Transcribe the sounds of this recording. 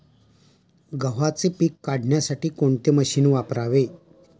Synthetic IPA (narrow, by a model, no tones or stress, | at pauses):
ɡəʋ̤at͡sepiːkːaɽ̤ʱɳjasaʈiːkoɳt̪eməɕiːnʋapɾaʋe